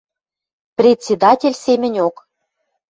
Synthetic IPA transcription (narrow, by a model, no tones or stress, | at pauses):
prʲet̪ʲsʲed̪ɑtʲelʲsemʲɘ̆nʲok